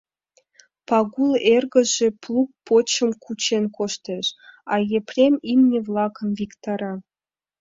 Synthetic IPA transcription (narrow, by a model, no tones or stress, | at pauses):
pɑɣulˠerɡə̆ʒĕplˠuk̚pot͡ɕə̆mkʰut͡ɕenkoʃt̪eʃɑjeprʲemimnʲevlˠɑkə̆nvʲikt̪ɑɾɑ